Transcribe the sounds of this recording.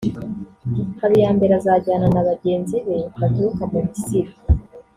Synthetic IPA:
haβijaːmbe̞ɾazaɟaːnanaβaɟe̞ːnziβe̞hatuukamuβisiɾa

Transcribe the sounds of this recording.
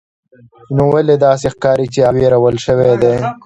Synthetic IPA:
nowaled̪ɑːs̬exkɑɾit͡ʃeaweɾawəlʃəwed̪e

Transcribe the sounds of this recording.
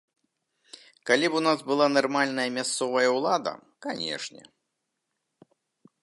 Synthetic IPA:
kalʲipunazbɨlˠanarmalʲn̪ɐjɐmʲast̪sɔvɐjɐwlˠad̪ɐ̰kanʲɛ̰ʂnʲɛ̰

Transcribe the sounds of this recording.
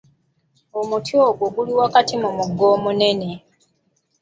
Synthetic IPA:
omutjoːɡoɡuliwakatimumuɡːo̞ːmune̞ne̞

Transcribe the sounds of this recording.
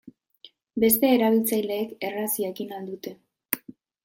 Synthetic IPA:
be̞st̪e̞ːɾaβ̞ilt͡sajle̞ːke̞rasiekinald̪ut̪e̞

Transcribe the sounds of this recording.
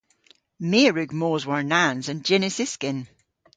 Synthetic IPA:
miːɹʉɡmoːzwəɹnãnzə̃nd͡ʒɛnɪsɪskɪ̃n

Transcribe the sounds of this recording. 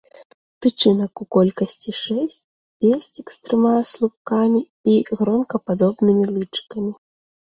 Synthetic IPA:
pɾɨt͡ʂɨnɐkukɔlʲkɐsʲt͡sʲiʂɛsʲt͡sʲ | pʲesʲt͡sʲikst̪ɾɨmaɐslˠup̚kamʲi | iɣɾɔnkɐpad̪ɔbnɨmʲilˠɨt͡ʂkɐmʲi

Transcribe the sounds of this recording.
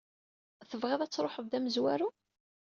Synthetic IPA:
θəvʁæðæt͡sːɾˤoħəðd̪æməzwæɾu

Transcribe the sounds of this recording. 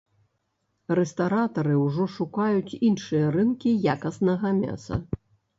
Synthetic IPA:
rɛst̪aɾat̪ɐɾɨwʐɔʂukajut͡sʲinʂɨjɐɾɨnkʲijakɐsnɐɣɐmʲa̰sɐ̰

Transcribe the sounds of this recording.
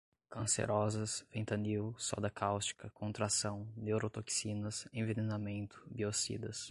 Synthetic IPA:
kɐ̃sḛɾʔɔzɐsvẽt̪ɐniwsɔ̰d̪ɐkʰawst͡ʃi̥kɐkʰõnt̪ɾasɐ̃w̃newɾot̪oksinɐsẽvenenamẽnt̪ʊ̥biosḭd̪ɐs

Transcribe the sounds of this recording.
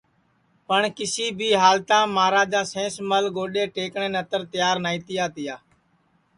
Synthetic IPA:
pəɳkɪsiːbʱiːɦaːlt̪ãːmaːɾãːd͡ʒãːsẽːsməlɡoːɗeːʈeːkɳẽːnət̪əɾt̪ɪjaːɾnaːiːt̪ɪjaːt̪ɪjaː

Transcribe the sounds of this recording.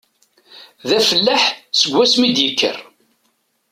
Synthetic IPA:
ðæfəlːaħsəɡʷːæsmid̪jəkːə̰r

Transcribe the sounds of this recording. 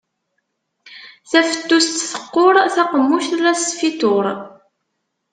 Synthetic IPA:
θæfə̥t̪ːust̪θə̥qːoɾˤθaqəmːuʃɾæsfit̪oɾˤ

